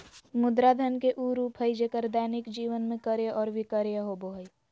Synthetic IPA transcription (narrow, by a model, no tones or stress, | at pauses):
mʊd̪ɾad̪ʱənkeʔuːɾupʰəjd͡ʒeːkəɾd̪ɛːnɪkd͡ʒiːʋənmẽkəɾjəʔɔːɾʋɪkəɾjəɦoboɦəj